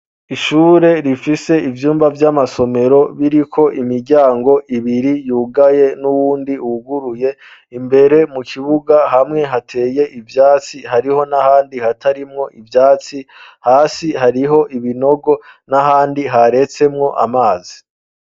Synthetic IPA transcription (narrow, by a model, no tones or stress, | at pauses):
iʃuːɾe̞ɾifise̞ivjuːmbavjamaso̞me̞ɾo̞βiɾikʰo̞ʔimiɾɟaːŋɡo̞ʔiβiɾijuːɡaje̞nuwuːndiuɡuɾuje̞ | imbe̞ɾe̞mukʰiβuɡaɦamŋe̞ɦatʰe̞ːje̞ʔivjaːt͡siɦaɾiho̞nahaːndihatʰaɾimŋo̞ʔivjaːt͡sihaːsihaɾiɦo̞ʔiβino̞ɡo̞naɦaːndiɦaɾe̞t͡se̞mŋo̞ʔa̰maːzi